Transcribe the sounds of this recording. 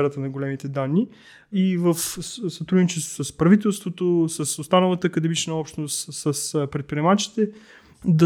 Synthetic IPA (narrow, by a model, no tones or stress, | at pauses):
ɛɾət̪ənɐɡolɛmit̪ɛd̪anːi | ivəfsɐt̪ɾud̪nit͡ʃɛst̪vo̥səspɾɐvit̪ɛlˠst̪vot̪osəsost̪anəlˠət̪əkɐd̪ɛmit͡ʃnəɔpʃt̪nost̪səspɾɛt̪̚pɾʲiɛmat͡ʃi̥t̪ɛ | d̪ɐ